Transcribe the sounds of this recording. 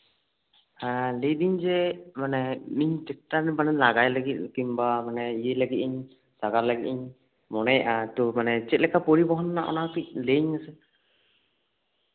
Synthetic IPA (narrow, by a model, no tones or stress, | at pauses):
alecd̪iɲd͡ʒɛmanɛmiɲtɛk̚ʈaɾbanɛnlaɡajləɡit̪̚kimbamanɛijɛləɡit̪̚iɲ | saɡaɾlaɡit̪̚ˀiɲ | mɔnɛjʔat̪ɔmanɛt͡ʃɛt̪̚lɛkʰapɔɾibɔɦɔnːaʔɔ̰nakic̚leiɲasɛ